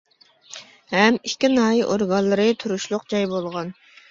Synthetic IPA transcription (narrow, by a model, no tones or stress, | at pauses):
hɛmikʲːinɑːjiʔoɾɡɑnlˠɨɾɨt̪ʰuɾuʃlˠʊqd͡ʒɑjbolˠʁɑn